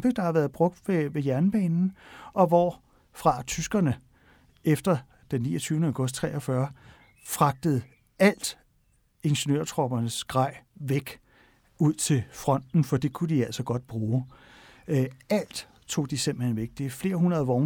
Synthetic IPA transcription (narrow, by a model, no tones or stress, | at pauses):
b̥eɡ̥̚d̥ɑ̈hɑ̈ʋæːɐðˠb̥ʁɔ̽ɡ̥̚d̥ʋe̝ʋe̝jæɐnb̥ɛ̰ːnn̩ɒ̽ʋɒ | fʁɑ̈t͡sʰysɡ̥ɐnə | efd̥ɐ | d̥enːḭːɒt͡sʰyʊnəäʊɡ̥ɔ̽sd̥̚t͡sʰʁɛ̰ːɒ̽fɶɐ | fʁɑ̈ɡ̥̚d̥əð̩ˠ | æl̰d̥ | e̝nɕənø̰ɐt͡sʰʁɒb̥ɐnəsɡ̥ʁɑ̈ɪ̰ʋeɡ̥ | uð̰ˠt͡sʰe̝lfʁɒ̽n̰d̥n̩fɒ̽d̥e̝kʰud̥iæl̰sɒ̽ɡ̥ɒ̽d̥̚b̥ʁuː | æl̰d̥ | t͡sʰo̝̰ːd̥isemb̥l̩hen̰ʋeɡ̥d̥efle̝ːɐɦunʁɐðˠʋɒʊ